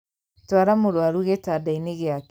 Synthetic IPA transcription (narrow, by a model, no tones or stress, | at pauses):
twaɾamoɾwaɾuɣetadaineɣeak